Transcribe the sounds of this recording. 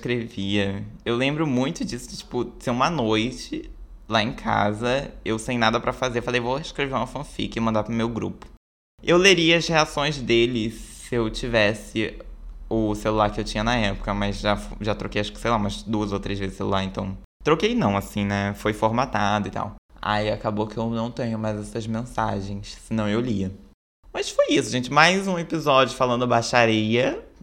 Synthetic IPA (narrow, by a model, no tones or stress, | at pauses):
kɾeviɐewlẽmbɾʊmũj̃t̪ʊd͡ʒisʊ̥ɪt͡ʃi̥pʊseũmɐnojt͡ʃɪ | laẽkʰa̰zɐewsẽj̃nad̪ɐpɾɐfazeɾfalejvoɪʃkɾeveũmɐfɐ̃fḭkɐɪmɐ̃nd̪apɾʊmewɡɾṵpʊ̥ | ewleɾiɐzheasõj̃zd̪elɪsɪewt͡ʃivɛsɪ | ʊselulaɾkɪewt͡ʃĩɲɐnɐɛpʊ̥kɐmɐzʒafʒat̪ɾokejaʃkɪ̥sejlaũmɐzd̪uɐzowt̪ɾezvezɪselṵlaɾẽnt̪ɐ̃w̃ | t̪ɾokejnɐ̃w̃asĩnɛfojfoɾmat̪ad̪ʊɪt̪a̰wa̰iakabokɪewnɐ̃w̃t̪ẽɲʊmajzɛsɐzmẽsa̰ʒẽj̃ssɪnɐ̃w̃ewliɐ | mɐsfojisʊʒẽnt͡ʃɪmajzũepizɔd͡ʒiʊfalɐ̃nd̪ʊbaʃaɾiɐ